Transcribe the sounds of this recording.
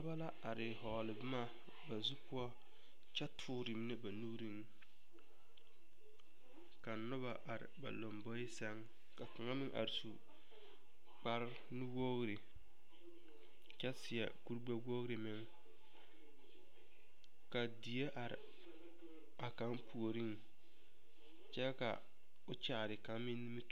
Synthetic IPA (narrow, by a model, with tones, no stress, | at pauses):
a˦ba˦la˦a˨ɾɪ˨ɦɔː˨lɪ˨bɪ˦ma˦ | ba˨zu˦kʊ˦ɔ˦ | t͡ʃɛ˦tʰʊː˦ɾɪ˨m˦nɪ˦ba˨nu˦ɾi˦ŋ | ka˨nʊ˦ba˨ʔa˨ɾɪ̰˨ba̰˨lo˨mbɔ˦ɪ˦sɛ˦ŋ | ka˨ka˨ŋa˦mɪ˦ŋʔa̰˨ɾɪ˨su˨ | k͡pa˦ɾ | nu˦wo˦ɣɾɪ˨ | t͡ʃɛ˦sɪ˨a̰˨ku˦ɾɡ͡ba˦wo˦ɣɾɪ˨mɪ˦ŋ | ka˨di˨je˦ʔa˨ɾɪ̰˨ | a˨ka˨˦mpu˨o˨ɾi˦ŋ | t͡ʃɛ˦ka̰˨ | ʊ˦t͡ʃa˨ɾɪ˨ka˨˦mɪ˦ni˦mi˦t